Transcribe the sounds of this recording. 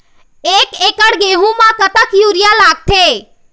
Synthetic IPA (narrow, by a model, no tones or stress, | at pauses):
eːkeːkəɽɡeːɦũmãkət̪əkjuːɾijalaːɡ̚t̪ʰe